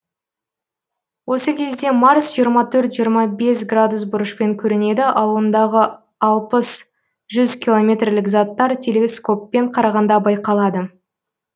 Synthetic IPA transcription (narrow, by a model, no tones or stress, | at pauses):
wʔo̞səkʲʰe̞zd̪e̞maɾsʒijəɾmɑt̪ʰɵɾt̪ʒijəɾmɑbe̞sɡrad̪usbʊɾəʃpe̞ŋkʲʰɵɾene̞d̪ɪʔɑlˠuənd̪ɑʁə | ɑlˠpəs | ʒʏzkʲilˠo̞mʲe̞t̪rlɪkzɑt̪ːɑɾt̪ʲʰe̞lesko̞pːe̞ɴqʰɑɾɑʁɑnd̪ɑbɑjqɑlˠɑd̪ə